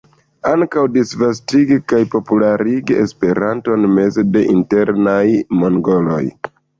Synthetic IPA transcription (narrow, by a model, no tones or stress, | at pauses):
aŋkawdisvas̬tiɡikajpo̞pulaɾiɡie̞spe̞ɾanto̞nme̞ze̞de̞ʔinte̞ɾnajmo̞ŋɡo̞lo̞̰j